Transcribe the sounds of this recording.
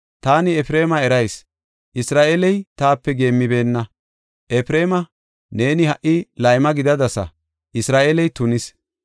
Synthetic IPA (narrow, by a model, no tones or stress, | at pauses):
t̪aːnɪɛfɾe̞ːmɐɛɾɐjs | ʔɪsɾaːʔelɛjt̪aːpːɛɡe̞ːmːɪbe̞ːnːɐ | ʔɛpɾeːmɐ | ne̞ːnɪhɐʔɪlɐjmɐɡɪd̪ɐd̪ɐsɐ̰ | ʔɪsɾaːʔeːlɛjt̪ʊnɪs